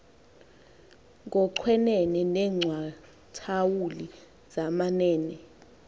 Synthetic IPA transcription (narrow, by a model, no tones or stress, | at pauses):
ŋɔǀʰwɛnɛnɛnɛːŋ͡ǀʱwa | tʰawuli | zamanɛːnɛ